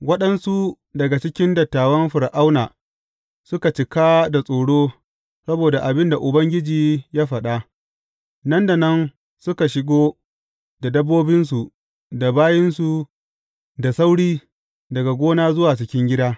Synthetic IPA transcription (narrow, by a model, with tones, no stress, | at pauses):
wɐ˦ɗɐ˦nsu˦ | dɐ˨ɡa˨t͡ʃɪ˦kʲɪ˦ndɐ˨tːaː˨wɐ˦mɸɪ˨ɾʔa˦wnaː˨ | sʊ˦ka˨t͡ʃɪ˨kaː˦da˨sʼoː˨ɽoː˦ | sɐ˦boː˨da˨ʔa˨bɪ˦nda˨ʔʊ˨bɐ˦ŋɡʲɪ˦d͡ʒiː˨jaː˦ɸɐ˨ɗa˦ | nɐ˦nda˨nɐ˦n | sʊ˦ka˨ʃɪ˦ɡoː˦ | da˨dɐ˦bːoː˦bɪ˦ns̬u˨ʔ | da˨baː˦jɪ˦nsu˨ | da˨sa˦wɽiː˦ | dɐ˨ɡa˨ɡʷoː˦naː˦zʊ˦waː˨t͡ʃɪ˨kʲɪ˦ŋɡʲɪ˦daː˦